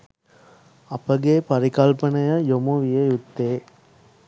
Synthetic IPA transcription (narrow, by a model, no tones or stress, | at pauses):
ɐpɐɡeːpɐɾikɐlpɐnɐjɐjomuʋijɐjut̪ːeː